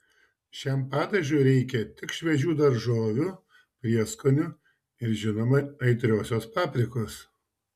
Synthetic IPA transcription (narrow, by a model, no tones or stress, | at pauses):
ʃʲæmpɑːd̪ɐʒʲuːɾʲɛɪkʲɛt̪ʲɪkʃʲʋʲɛʒʲuːd̪ɐɾʒoːʋʲuː | pʲɾʲiɛskonʲʊ | ɪɾʒʲɪnoːmɐɐɪt̪ʲɾʲoːsʲoːspɑːpʲɾʲɪkoːs